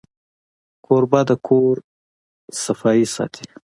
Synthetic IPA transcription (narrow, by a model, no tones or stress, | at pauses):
kʰoɾbad̪əkʰoɾ | sɐfɑisɑ̰ːt̪ʰi̥